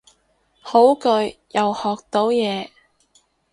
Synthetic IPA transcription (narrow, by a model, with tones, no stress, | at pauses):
ho˨˥wkɵ˧ɥjɐ˨whɔː˨k̚t̪o˨˧wjɛː˨˧